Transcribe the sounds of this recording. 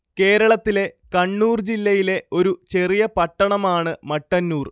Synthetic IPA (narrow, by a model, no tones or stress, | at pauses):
ke̞ːɾɐɭɐt̪ːile̞ | kɐɳːuːrd͡ʑilːɐjile̞ʔo̞ɾut͡ɕe̞rijɐpɐʈːɐɳɐmaːɳɨmɐʈːɐnːuːr